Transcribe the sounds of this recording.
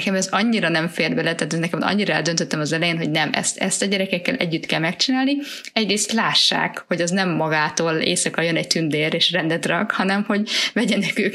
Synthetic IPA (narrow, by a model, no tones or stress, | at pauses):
kɛmɛzɒɲːiɾɒnɛɱfeːrbɛlɛt̪aːt̪ɛnɛkɛmɒ̰ɲːiɾɒɛ̰ld̪ønt̪øt̪ːɛmɒzɛlɛjeːnɦo̞ɟnɛmɛ̰st̪ɛ̰st̪ɒɟɛɾɛkɛkːɛlʔɛ̰ɟːyt̪kɛlmɛkt͡ʃinaːlni | ɛɟreːst̪laːʃːa̰ːkho̞ɟɛznɛmːɒɡaːt̪oːlḛːsɒkɒjønɛɟ̚t̪ynd̪eːɾeːʃrɛnd̪ɛt̪rɒkhɒnɛmho̞ɟvɛɟɛnɛkøːk